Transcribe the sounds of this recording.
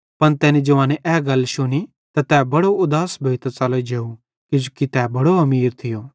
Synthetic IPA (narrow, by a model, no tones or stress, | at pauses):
pɐnt̪ɛːnid͡ʒɐʋãːneʔɛːɡɐlːʃʊni | t̪at̪ɛːbɐɽoʊd̪aːsbʱeːt̪t͡ʃaled͡ʒeːu | kɪd͡ʒukit̪ɛːbɐɽoɦɐmiːɾt̪ʰɪjoː